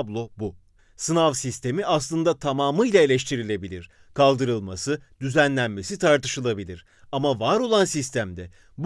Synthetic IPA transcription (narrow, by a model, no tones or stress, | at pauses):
blˠo̞bu | sɯnavsist̪ʰe̞miʔaslˠɯnd̪at̪ʰamaːmɯjlʲae̞lʲɛʃt̪ʰiɾilʲe̞bilʲiɾ̥ | kʰalˠd̪ɯɾɯlˠmasɯd̪̥yzænlʲænme̞sit̪ʰaɾt̪ɯʃɯlˠabilʲiɾ̥ | amavaɾo̞lˠansist̪ʰæmd̪ɛ | b